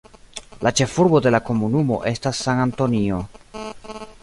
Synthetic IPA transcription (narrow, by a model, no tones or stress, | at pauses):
lat͡ʃe̞fuɾbo̞de̞lako̞munumo̞̰ʔe̞stasːananto̞nio̞